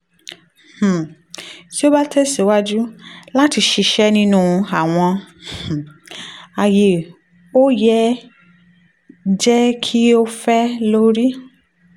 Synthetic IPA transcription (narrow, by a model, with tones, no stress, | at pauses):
h̩˨ | ti˦o˦ba˦tʰɛ˦si˨˦wa˦d͡ʒu˦la˦ti˧ʃi˧ʃɛ˦nĩ˦nũ˦˧a˨w̃ɔ̃˧h̩˨ | a˨je˨ | o˦jɛ˦ | d͡ʒɛ˦kʰi˦o˦fɛ˦lo˦ɾi˦